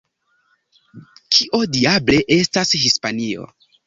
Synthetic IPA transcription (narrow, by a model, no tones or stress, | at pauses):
kʰiʔo̞diable̞ʔe̞stashispanio̞̰